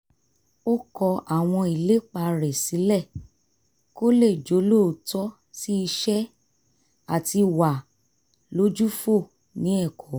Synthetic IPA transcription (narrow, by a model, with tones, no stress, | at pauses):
o˦kɔ˧ʔa˨w̃ɔ̃˧i˨le˨˦k͡pa˧˨˧ɾɛ˨si˨˦lɛ˦˨ | ko˦le˦˨d͡ʒo˨˦lo˦˨tɔ˦ | ti˦i˧ʃɛ˦ | a˦˨ti˧wa˨ | lo˨˦d͡ʒu˦fo˦˨ | nĩ˨˦ɛ˦˨kʰɔ˨˦